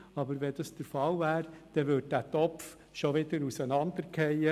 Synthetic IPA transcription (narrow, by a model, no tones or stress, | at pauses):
ɑbəɾʋɛd̥ɑsd̥əɾfɑlvæːɾd̪̥ɛʋʏt̚dætɔpf | ʃoʋɪdəɾusənɑnd̥̪əɾkʰɛjə